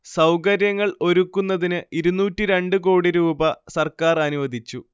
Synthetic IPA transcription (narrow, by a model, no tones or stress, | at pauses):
sɐwkɐɾjɐŋːɐɭo̞ɾukːunːɐðinɨiɾunːuːtːiɾe̞ɳɖɨk̬o̞ːɽiɾuːbɐsɐrkaːrɐnuʋɐd̪ʱit͡ɕːu